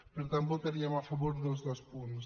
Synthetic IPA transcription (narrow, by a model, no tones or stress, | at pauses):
peɾt̪ambot̪eɾiamafaβoɾd̪olˠzðəspuns